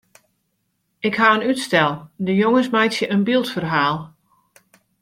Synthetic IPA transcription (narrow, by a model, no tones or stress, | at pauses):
ɪkhaənytstɛlˠdəjoŋəsmajsjəʔənbilˠtfərɦaːlˠ